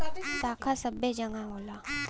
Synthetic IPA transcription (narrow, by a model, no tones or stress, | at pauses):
t̪akʰasabed͡ʑaŋaŋola